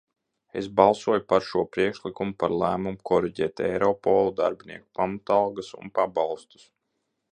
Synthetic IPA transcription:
ḛsbɑlˠsuɔjupaɾʃuɔpɾiɛkʃlikumupaɾlˠæːmumukʰɔɾiɟɛːt̪ɛ̰jɾɔpɔlˠud̪a̰ɾbʲinʲḭɛku̥pamat̪ɑlˠɡasṵnpabɑlˠst̪u̥s

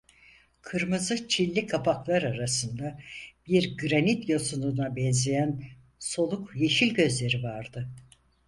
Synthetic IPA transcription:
kʰɯɾmɯzɯt͡ʃʰilʲːikʰapʰaklˠaɾaɾasɯnd̪ab̥iɾɡɾanit̪jasununabɛnzejæn | so̞lˠukje̞ʃilʲɟø̞zlʲe̞ɾivaɾd̪ɯ

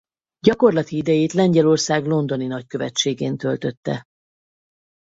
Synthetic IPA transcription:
ɟɒko̞rlɒt̪iid̪ɛjeːt̪lɛɲɟɛlo̞rsaːɡlo̞nd̪o̞ninɒckø̞vɛt͡ʃːeːɡeːnt̪ø̞lt̪ø̞t̪ːɛ̰

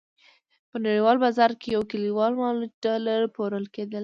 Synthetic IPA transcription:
pənaɽiwɑlbazɑɾkejawkəliwɑlmɑluɖaləɾpoɾəlked̪əl

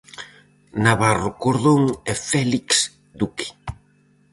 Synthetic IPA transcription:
naβarʊkoɾðoŋɛfɛliks | d̪ukɪ̥

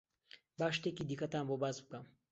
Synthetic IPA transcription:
baʃt̪ekid̪ikat̪ambobazb̚kam

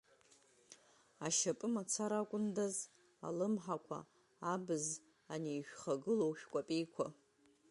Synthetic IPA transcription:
aʃapʼɨmat͡sʰaɾakʷʼʊndaz | a̰lɨmħakʷʰa̰ | abɨz | anejʃᶣχaɡɨlowʃᶣkʷʼapʼejkʷʰa

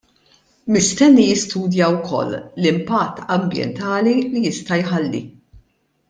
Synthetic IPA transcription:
mɪst̪ɛnːijɪst̪uːd̪jɐwkʰɔ̰lːlɪmpɐt̪ːɐmbjɛ̰nt̪ɐːlilijɪst̪ɐjħɐlːḭ

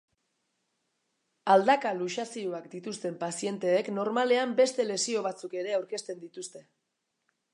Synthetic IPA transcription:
ald̪akaluʃasioakd̪it̪ust̪e̞mpasie̞nt̪e̞ːkno̞ɾmale̞ambe̞st̪e̞le̞sio̞β̞at͡suke̞ɾe̞awɾke̞st̪e̞nd̪it̪ust̪e̞

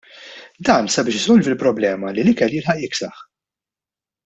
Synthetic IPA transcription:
d̪ɐːnsɐbɪːʃɪzɔlvɪlpɾɔblɛːmɐlilɪkɛlːjɪlħɐʔjɪksɐħ

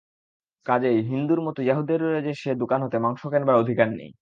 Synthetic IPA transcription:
kad͡ʑejɦind̪uɾmɔt̪ojaɦud̪iɾed͡ʑeʃed̪okanɦot̪emaŋʃokɛnbaod̪ʱikanːḛj

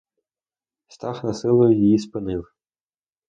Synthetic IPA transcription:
st̪ɑxnɐsɪlˠʊjʊjijispɨnɪw

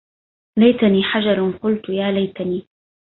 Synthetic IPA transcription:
lajt̪aniːħad͡ʒɑɾˤqʊlt̪jaːlajt̪aniː

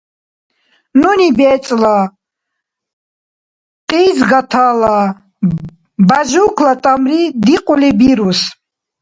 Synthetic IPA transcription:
nunibɛːt͡sʼla | qʼiːzɡat̪ʰaːla | baʒuːkʰlat̪ʼamɾid̪iqʼulibiɾus

